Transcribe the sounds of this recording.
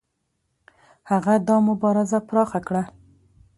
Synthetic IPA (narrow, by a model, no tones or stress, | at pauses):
haɣad̪ɑmʊbɑɾɪzapɾɑxakɽa